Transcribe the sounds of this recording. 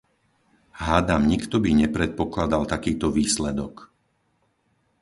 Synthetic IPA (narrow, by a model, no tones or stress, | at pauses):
ɦaːd̪amɲikt̪ɔbiɲɛpɾɛt̪̚pɔklad̪alt̪akiːt̪ɔʋiːslɛd̪ɔk